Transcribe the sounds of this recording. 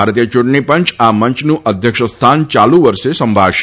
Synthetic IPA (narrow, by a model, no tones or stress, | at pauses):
aɾt̪ijət͡ʃuʈɳipə̃ɲt͡ʃaməɲt͡ʃnũʔəd̪ʱjəkʂəst̪ʰant͡ʃalũʋəɾʃesəmbʱaʃ